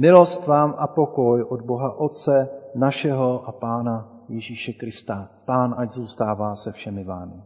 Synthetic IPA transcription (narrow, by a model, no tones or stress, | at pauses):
mɪlo̞st̪vaːmʔapo̞ko̞jʔo̞d̪bo̞ɦaʔo̞t̪̚t͡sɛnaʃɛɦo̞ʔapaːna | jɛʒiːʃɛkɾɪst̪apaːnʔaɟzuːst̪aːvaːsɛfʃɛmɪvaːmɪ